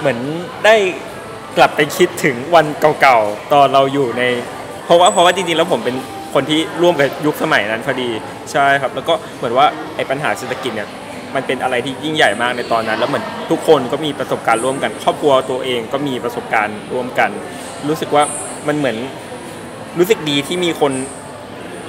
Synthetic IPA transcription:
mɯ˩˦əndaː˥˩j | kla˨˩pːa˧jkʰi˦˥t̪ʰːɯ˩˦ŋwa˧nka˨˩wka˨˩wt̪ɔː˧nɾa˧wjuː˨˩na˧j | pʰɔ˦˥waː˥˩pʰɔ˦waː˥˩t͡ɕi˧ŋt͡ɕi˧ŋlɛː˦˥wpʰo˩˦mpe˧n | kʰo˧nt̪ʰiː˥˩ɾu˥˩əmka˨˩ju˦˥k̚sa˧ma˨˩˦jna˦˥nkʰa˧˩diː˧ | t͡ɕʰa˥˩jkʰa˦˥p̚lɛ˦˥wkɔː˥˩mɯ˩˦nwaː˥˩ʔa˧jpa˧nɦaː˩˦seː˨˩t̪ʰːa˧ki˨˩t̪̚niː˨˩ə | ma˧npe˧nʔa˧ɾa˧jt̪ʰiː˥˩ji˥˩ŋja˨˩jmaː˥˩k̚na˧jt̪ɔː˧nːa˦˥nlɛː˦˥wmɯ˩˦ənt̪ʰu˦˥kʰːo˧nkɔː˥˩miː˧pɾa˧so˨˩p̚kaː˧nɾu˥˩əmka˧nkʰɔː˥˩p̚kʰu˧ɐt̪u˧ɐʔeː˧ŋkɔː˥˩miː˧pɾa˧so˨˩p̚kaː˧nɾu˥˩əmka˧n | ɾuː˦˥sɯ˨˩k̚waː˥˩ | ma˧nmɯ˩˦ən | ɾuː˦˥sɯ˨˩k̚diː˧t̪ʰiː˥˩miː˧kʰo˧n

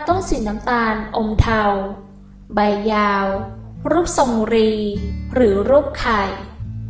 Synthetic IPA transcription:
t̪o˥˩ŋsi˨˩˦nːaː˦˥mt̪aː˧nʔo˧mt̪ʰa˧w | ba˧jːaː˧wɾuː˦˥˩p̚so˧˩ŋɾiː˧ɾɯː˩˦ɾuː˥˩p̚kʰa˨˩j

